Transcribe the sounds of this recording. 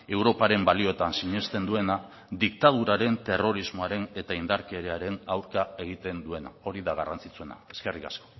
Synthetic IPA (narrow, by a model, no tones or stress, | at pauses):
e̞wɾo̞paɾe̞mbalio̞t̪ansiɲe̞st̪e̞nd̪ue̞na | d̪ik̚t̪að̞uɾaɾe̞nt̪e̞ro̞ɾizmo̞aɾe̞ne̞t̪aind̪aɾke̞ɾeaɾe̞nawɾkae̞ɣ̞it̪e̞nd̪ue̞na̰o̞ɾiðaɣarant͡sit͡sue̞na̰e̞ske̞rika̰sko